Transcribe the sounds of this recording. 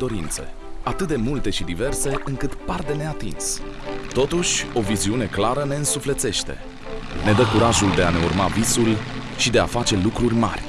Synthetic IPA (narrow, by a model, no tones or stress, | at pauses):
d̪o̞ɾint̪sḛ | at̪ɨt̪̚d̪e̞mult̪e̞ʃid̪ive̞rse̞ɨŋkɨt̪pard̪e̞ne̞at̪ins | t̪o̞t̪uʃʲo̞viziune̞klaɾəne̞ɨnsufle̞t̪se̞ʃt̪e̞̰ | ne̞d̪əkuɾaʒuld̪e̞ane̞ṵrmavisul | ʃid̪e̞afat͡ʃe̞lukɾurʲma̰rʲ